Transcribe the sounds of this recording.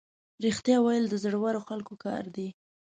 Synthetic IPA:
ɾixt̪jɑwajəld̪əzɽwaɾoxalkokɑ̰ɾd̪i

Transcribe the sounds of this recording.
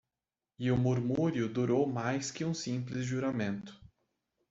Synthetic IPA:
ɪʊmuɾmuɾjʊd̪uɾowmajskɪũsĩplɪzʒuɾamẽnt̪ʊ̥

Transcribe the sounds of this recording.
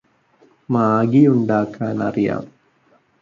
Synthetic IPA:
maːɡijuɳɖaːkːaːnɐrija̰ːm

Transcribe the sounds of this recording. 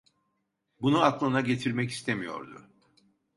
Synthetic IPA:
bunuaklˠɯnaɟe̞t̪ʰiɾmɛci̥st̪ʰemijo̞̰ɾd̪ʊ̰

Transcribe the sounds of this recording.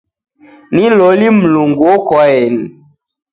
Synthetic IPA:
nilolim̩luŋɡuokɔɛn

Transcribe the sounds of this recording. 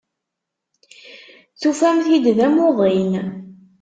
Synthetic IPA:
θufæmθid̪ðæmoðˤin

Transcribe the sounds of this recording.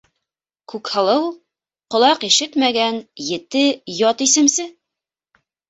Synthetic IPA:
kʉkhɤ̆lˠɤw | qŏlˠɑqiʃɘt̪mæɡænjɘ̆t̪ɘjɒt̪isɘ̆msɘ

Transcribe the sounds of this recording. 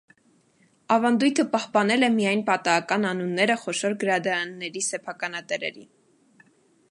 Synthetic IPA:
ɑvɑnd̪ujt̪ʰəpɑhpɑnɛlɛmijɑjnpɑt̪ɑɑkɑnɑnunːɛɾəχɔʃɔɾɡəɾɑd̪ɑɾɑnːɛɾisɛpʰɑkɑnɑt̪ɛɾɛ̰ɾḭn

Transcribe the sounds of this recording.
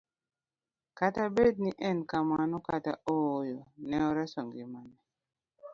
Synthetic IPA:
katabed̚niʔɛnkamanɔkataojɔnɛɔɾɛsɔŋɡimanɛ

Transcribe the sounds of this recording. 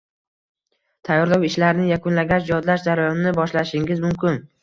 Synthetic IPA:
t̪ʰajːɒɾlawɪʃlaɾnɪjakʰʊnlaɡʲaʃd͡ʒjɒd̪laʃd͡ʒaɾajɒnnɪbɒʃlaʃɪŋɡʲɪzmʊmkʲʰɪn

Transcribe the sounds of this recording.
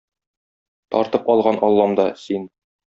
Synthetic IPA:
t̪ɒ̰ɾt̪ɤpɒlˠʁɑnʔɒlˠːɑmd̪ɑsin

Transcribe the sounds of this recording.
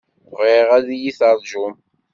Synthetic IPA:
ʁiʁæðijiθɑɾˤʒʊm

